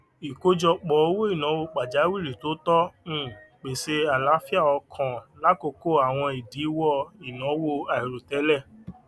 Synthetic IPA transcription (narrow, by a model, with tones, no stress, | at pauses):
i˨ko˦d͡ʒɔ˧k͡pɔ˨o˦wo˦i˦˨nã˨˦wo˧˨k͡pa˨d͡ʒa˨˦wi˦˨ɾi˨to˨˦tɔ̃˦˨ | k͡pe˨se˧a˨la˨˦fi˦a˦˨ɔ˧kʰɔ̃˨la˦ko˧ko˦a˨w̃ɔ̃˧i˨di˨˦wɔ˦i˨nɔ̃˨˦wo˦˨a˨i˨ɾo˨tɛ˨˦lɛ˦˨